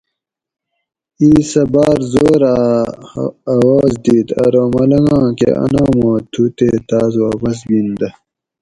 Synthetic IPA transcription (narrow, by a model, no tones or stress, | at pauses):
iːsɐbaːɾzoːɾ | ɐwaːzd̪iːt̪ɐ̰ɾoːmɐlɐŋɡãːkḛɐ̰naːmoːt̪ʰut̪eːt̪aːzwaːpɐs̬bind̪ɐ